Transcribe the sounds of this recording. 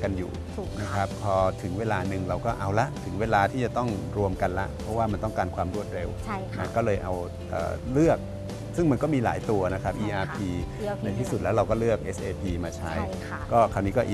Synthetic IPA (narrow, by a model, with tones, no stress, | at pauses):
ka˧njṵː˨˩ | na˦˥kʰɾa˦˥p̚pʰɔː˧t̪ʰɯ˩˦ŋweː˧laː˧nɯ˨˩ŋɾa˧wkɔː˥˩ʔa˧wla˦˥ʔt̪ʰɯ˩˦ŋweː˧laː˧t̪ʰiː˥˩t͡ɕa˨˩t̪ɔ˥˩ŋɾu˧əmka˧nla˦˥ʔpʰɔ˦˥waː˥˩ma˧nt̪ɔ˥˩ŋkaː˧nkʰwaː˧mɾu˥˩ət̪̚ɾe˧wma̰˦˥nkɔː˥˩lɤː˧jʔa˧w | ʔə̰ː˨˩lɯ˥˩ək̚ | sɯ˥˩ŋma˧nkɔː˥˩miː˧la̰ː˩˦jt̪u˧ɐna˦˥kʰa˦p̚ʔiː˧ʔaː˧pʰiː˧na˧jt̪ʰiː˥˩su˨˩t̪̚lɛː˦˥wɾa˧wkɔː˥˩lɯ˥˩ək̚ʔe˦˥sʔeː˧pʰiː˧maː˧t͡ɕʰa˦˥j | kɔː˥˩kʰaː˧˩wniː˦˥kɔː˥˩ʔ